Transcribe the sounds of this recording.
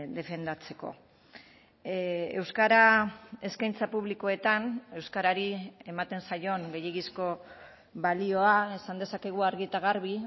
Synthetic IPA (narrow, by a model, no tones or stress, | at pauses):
d̪e̞fe̞nd̪at͡se̞ko̞̰ | e̞wskaɾae̞skajnt͡sapuβliko̞e̞t̪ane̞wskaɾaɾie̞mat̪e̞nsajo̞nɡe̞jeɣisko̞ | βalio̞ae̞sand̪e̞sake̞ɣ̞uaɾɣit̪aɣaɾβi